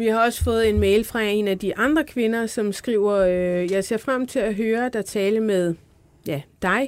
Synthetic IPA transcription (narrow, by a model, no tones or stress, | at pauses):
ʋihɑ̈ɒ̽sə̥fɔ̽ːð̞̩ˠe̝nmeɪlfʁɑ̈e̝næd̥iʔɑ̈nd̥ʁɐkʰʋe̝nɐsɒ̽msɡ̥ʁiʊ̰ɐjɑ̈ɪse̝ɐfʁam̰t͡sʰe̝læɦøːɐd̥æt͡sʰɛːləmeðˠ | jæd̥ɑ̈ɪ